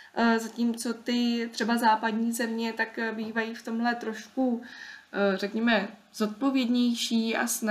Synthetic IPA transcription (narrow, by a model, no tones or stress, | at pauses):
zaciːmt͡so̞t̪ɪt̪r̝̥ɛbazaːpadɲiːzɛmɲɛt̪akbiːvajiːft̪o̞mɦlɛt̪ɾo̞ʃku | rɛkɲɛmɛ | z̥o̞t̪̚po̞vjɛdɲɛjʃiːa̰sna